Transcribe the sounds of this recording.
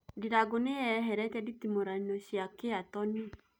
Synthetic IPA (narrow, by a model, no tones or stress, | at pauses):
diɾaɡoneɛɦɛɾɛkɛditimoɾanɔʃjakeatɔni